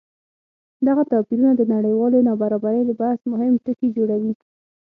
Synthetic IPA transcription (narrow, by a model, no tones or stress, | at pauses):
d̪aɣat̪ɑpiɾunad̪ənaɽəjwɑlenɑbaɾɑbaɾəjd̪əbahsmʊhɪmʈəkid͡ʒoɽawi